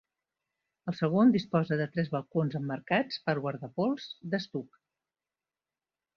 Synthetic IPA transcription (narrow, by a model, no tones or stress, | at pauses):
əlˠsəɣ̞ond̪ispɔzəðət̪ɾɛzβəlˠkonzəmːəɾkat͡spəɾɣwaɾðəpolˠzd̪əst̪uk